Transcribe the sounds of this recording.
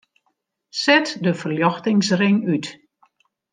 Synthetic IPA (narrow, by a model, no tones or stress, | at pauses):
sɛtdəfərljɔxtɪŋsrɪŋyt